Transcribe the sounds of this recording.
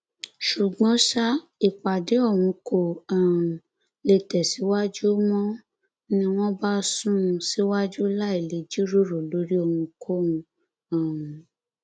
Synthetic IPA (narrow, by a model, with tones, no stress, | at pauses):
ʃu˨ɡ͡bɔ̃˨˦ʃa˦ | i˨k͡pa˨de˨˦ɔ˦˨w̃ũ˧ko˨ã˨ | le˧tɛ˨si˨˦wa˦d͡ʒu˦mɔ̃˦ | nĩ˧w̃ɔ̃˦ba˦sũ˦˧si˦wa˦d͡ʒu˦la˦e˨le˨˦d͡ʒi˦ɾo˦˨ɾo˨lo˨˦ɾi˦o˧˨wũ˧kʰo˦ũ˧ | ã˨